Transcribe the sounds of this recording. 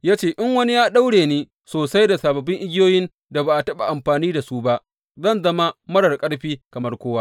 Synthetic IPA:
jaː˦t͡ʃeː˦˨ʔɪ˦ŋwɐ˦ni˦jaː˦ɗa˦wɽeː˨niː˦ | soː˨sa˦jda˨saː˨bɐ˨bɪ˦ŋʔɪ˦ɡʲɪ˦joː˦jɪ˦n | da˨baː˨ʔa˨tɐ˦ɓa˨ʔa˨mɸaː˨niː˦da˨su˦ba˦ʔ | zɐ˦˨nzɐ˦ma˦mɐ˦ɽɐ˨rkʼɐ˦ɽɸiː˦kɐ˨mɐ˦rkʷoː˦wa˦

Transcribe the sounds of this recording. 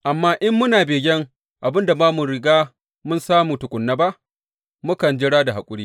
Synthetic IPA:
ʔa˨mːaː˦ʔɪ˦mːʊ˦naː˨beː˨ɡʲɛ˦ŋ | ʔa˨bɪ˦nda˨maː˦mu˨ɽɪ˨ɡaː˦ | mʊ˦nsaː˦muː˨tʊ˨kʷʼʊ˨nːa˦ba˦ʔ | mʊ˦kɐ˨nd͡ʒɪ˦ɽaː˦da˨ɦa˨kʷʼʊ˦ɽiː˦

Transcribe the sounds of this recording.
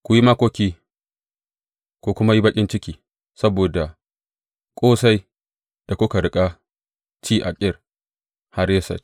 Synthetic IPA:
kʷʊ˨ji˦ma˦kʷoː˦kʲiː˦ | kʷo˨kʷʊ˦ma˦ji˦bɐ˦kʲʼɪ˦nt͡ʃɪ˦kʲiː˨ | sɐ˦boː˨da˨ | kʷʼoː˦sa˦j | d̥a˨kʷʊ˦ka˨ɽɪ˦kʼa˦ | t͡ʃiː˦ʔa˨kʲʼɪ˦r | ha˦ɽje˦sɐ̰˨t͡ʃ

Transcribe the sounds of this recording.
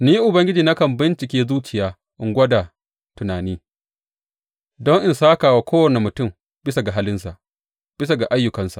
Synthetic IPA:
niː˦ʔʊ˨bɐ˦ŋɡʲɪ˦d͡ʒiː˨na˦kɐ˨mbɪ˦nt͡ʃɪ˨kʲeː˦zuː˦t͡ʃɪ˨jaː˦ | ʔɪ˨˦ŋɡʷɐ˦da˨ | tʊ˨naː˨niː˦ | dɔ˦ŋʔɪ˨nsaː˦kaː˨waː˦kʷoː˦wɐ˨ne˨mʊ˨tʊ˦˨m | bɪ˦sa˨ɡa˨ɦa˦lɪ˦nsa˨ʔ | b̥ɪ˦s̬a˨ɡa˨ʔa˦jːʊ˨kɐ˨nsa˨

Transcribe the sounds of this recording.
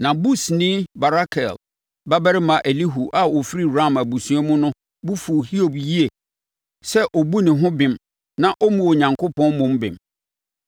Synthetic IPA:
nã˨bu˦snɪ̃˦ba˨ɾa˦kʰɛ˨l | ba˦bɛ˦ɾɪ˦mã˨ʔe˨li˦ɦu˨ʔa˨o˨fi˦ɾi˦˨ɾã˦˨mæ˨bu˨sũ˦ɛ˦mʊ̃˦nʊ̃˦ | bu˦fu˨hi˦o˨bji˦e˨ | sɛ˦ʔɔ˨bu˦nɪ̃˨ɦʊ̃˦bɪ̃˨m | nã˦ʔo˦mũ˨o˨ɲã˨ŋkʰo˦pɔ̃˦nmʊ̃˦mbɪ̰̃˨m

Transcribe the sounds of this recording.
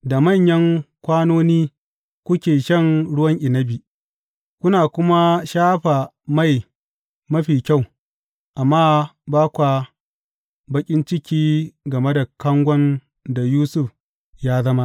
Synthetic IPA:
da˨mɐ˦˨ɲjɐ˦ŋkʷaː˦noː˦niː˦ | kʷʊ˦kʲeː˨ʃɐ˦˨ŋɽʊ˦wɐ˦ŋʔɪ˨nɐ˦bi˨ | kʷʊ˦naː˨kʷʊ˦ma˦ʃaː˦ɸa˨ | ma˦˨j | mɐ˦ɸiː˨kʲa˦˨w | ʔa˨mːaː˦baː˦kʷa˨ | bɐ˦kʲʼɪ˦nt͡ʃɪ˦kʲiː˦ɡɐ˨me˦da˨kɐ˦ŋɡʷɔ˦n | da˨juː˦sʊ˦ɸ | jaː˦zɐ˦ma˦ʔ

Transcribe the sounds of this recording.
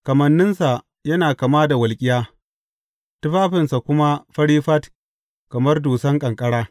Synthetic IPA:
kɐ˨mɐ˨nːɪ˦nsa˨ | jɐ˦naː˨kɐ˨maː˦da˨wɐ˨lkʲʼɪ˦jaː˦ | tɪ˦ɸaː˦ɸɪ˨nsa˨kʷʊ˦ma˦ɸɐ˦ɽiː˦ɸɐ˦t | kɐ˨mɐ˦rduː˨sɐ˦ŋkʼɐ˨ŋkʼɐ˦ɽaː˦

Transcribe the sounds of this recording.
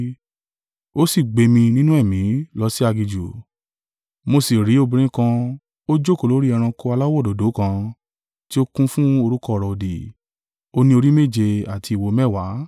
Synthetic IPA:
o˦si˦˨ɡ͡be˧mĩ˧nĩ˦nũ˦ɛ˦˨mĩ˨˦lɔ˦si˦a˧ɡi˧d͡ʒu˨ | mo˧si˨ɾi˨˦o˦˧˨bĩ˧ɾ̃ĩ˦kã˧ | o˦d͡ʒo˦˨ko˨lo˨˦ɾi˦ɛ˧ɾ̃ã˧ko˧˦a˧la˦wɔ˦˨do˨˦do˨˦kã˧ | ti˦o˦kũ˦fũ˦o˧ɾu˦kɔ˦˨ɾɔ˨di˨ | o˦nĩ˦o˧ɾi˦me˦˨d͡ʒe˧a˨ti˧i˨wo˧mɛ˦˨wa˨˦

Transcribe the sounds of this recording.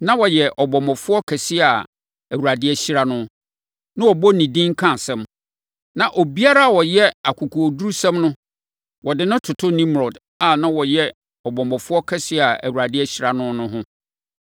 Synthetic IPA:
nã˦wɔ˨jɛ˨ʔɔ˨bɔ˨mɔ˨fʊ˦ɔ˦kʰɛ˨sɪ˦a˨ | æ˨wu˨ɾa˨dɪ˦ɛ˦ɕi˦ɾa˦nʊ̃˦ | nã˦wɔ˨bɔ˦nĩ˨dĩ˦ŋ̩˦kʰã˦˨sɛ̃˦m | nã˨ʔo˨bi˦a˦ɾa˦a˨wɔ˨jɛ˦a˨kʰu˨kʰu˨o˨du˦ɾu˦sɛ̃˦mnʊ̃˦ | wɔ˨dɪ˨nʊ̃˦tʰʊ˨tʰʊ˦nĩ˦mɾɔ˨d | a˨nã˦wɔ˨jɛ˦ | ɔ˨bɔ̃˨mɔ˨fʊ˦ɔ˦kʰɛ˦sɪ˦˨a˨æ̰˨wu˨ɾa˨dɪ˦ɛ˦ɕi˦ɾa˨nʊ̃˦nʊ̃˦ɦʊ̃˦

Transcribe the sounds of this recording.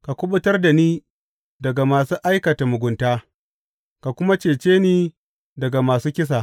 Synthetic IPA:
ka˨kʷʊ˦ɓʊ˦tɐ˦rda˨niː˦ | dɐ˨ɡa˨maː˨suː˦ʔa˦jkɐ˨ta˨mʊ˨ɡʷʊ˨ntaː˦ | ka˨kʷʊ˦ma˦t͡ʃeː˨t͡ʃeː˦niː˦ | dɐ˨ɡa˨maː˨suː˦kʲɪ˦s̬aː˨

